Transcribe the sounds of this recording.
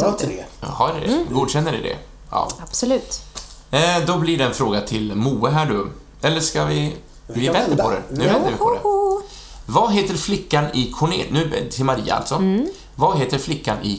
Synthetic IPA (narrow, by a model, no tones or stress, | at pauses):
haɖɛɛɡuːd̪ɕɛnːəɖɛd̪ɛ̰ | jɑ̰ːab̥sɔlʉ̟ːt̪ | d̪ɔblɪɖɛɛnfɾoːɡat̪ʰɪlmuːəɦæːɖɵ | ɛlːəʂkavɪ | vɪvɛnd̪əɾpʰɔd̪ɛ̰nʉ̟ːvɛnd̪əɾvɪpʰɔɛ | vaɦeːt̪əɾflɪkːanɪkʰʊɳḛːnʉ̟ːt̪ʰɪlmaɾiːa̰a̰lt̪sɔ | vaɦeːt̪əɾflɪkːanɪ